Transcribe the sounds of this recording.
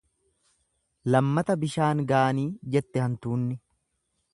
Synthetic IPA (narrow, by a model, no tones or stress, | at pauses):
lɐmːɐt̪ɐbɪʃaːŋɡaːɐniːd͡ʒɛt̪ːɛhɐnt̪uːnːɪ